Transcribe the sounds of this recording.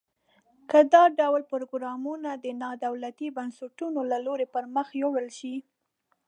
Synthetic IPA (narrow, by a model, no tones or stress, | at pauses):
kəd̪ɑɖawlpʊɾoɡɾɑmunad̪ənɑd̪awlat̪ibansɪʈunolaloɾepəɾməxjewəlʃi